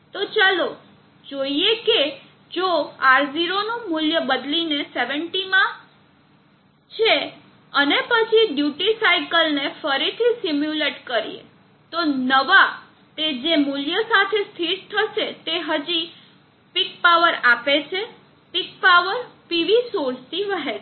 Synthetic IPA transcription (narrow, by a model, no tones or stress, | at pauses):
t̪ot͡ʃalo | d͡ʒoieke | d͡ʒoaɾziɾonumuljəbəd̪lineseʋəɳʈimã | t͡ʃʰe | ənepət͡ʃʰiɖjuʈisajkəlnefəɾit̪ʰisimjuleʈkəɾḭḛ | t̪onəʋa | t̪ed͡ʒemuljəsat̪ʰest̪ʰiɾt̪ʰəʃet̪eɦəd͡ʒi | pik̚paʋəɾapet͡ʃʰe | pik̚paʋəɾpiʋisoɾst̪iʋəɦe